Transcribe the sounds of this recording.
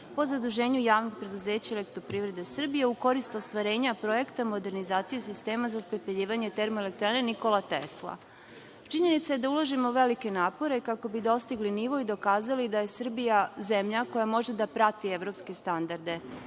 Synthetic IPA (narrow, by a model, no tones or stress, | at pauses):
po̞zad̪uʒe̞ːɲujaːʋnoɡ̚pɾe̞d̪uze̞ːt͡ɕaele̞kt̪ɾopɾiːʋɾe̞d̪e̞sr̩bije̞uko̞ɾist̪ost̪ʋaɾe̞ːɲapɾo̞je̞kt̪amo̞d̪e̞ɾnizaːt̪sijesist̪e̞ːmazapɾepeʎiːʋaɲe̞t̪e̞ɾmoelek̚t̪ɾaːne̞niko̞lˠat̪ḛslˠa̰ | t͡ʃiɲe̞nit̪sajd̪aulˠoʒimo̞uʋe̞like̞naːpo̞ɾe̞kako̞bid̪o̞st̪iɡliniʋo̞jid̪o̞kaːzalid̪aje̞sr̩bijaze̞mʎako̞jamo̞ʒe̞d̪apɾat̪ieʋɾo̞pske̞st̪and̪aɾd̪e̞